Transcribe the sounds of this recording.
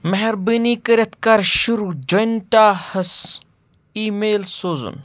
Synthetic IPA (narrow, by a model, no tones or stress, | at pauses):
mɐɦeɾbiniːkɐɾʲɐt̪kaɾʃuɾud͡ʒonʈaːhɐs | iːmeːlsoːzṵn